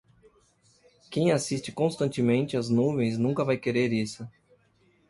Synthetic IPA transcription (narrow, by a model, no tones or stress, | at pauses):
kẽj̃asist͡ʃɪkõst̪ɐ̃nt͡ʃɪmẽnt͡ʃɪɐznuvẽj̃znũkɐvajkeɾeɾisʊ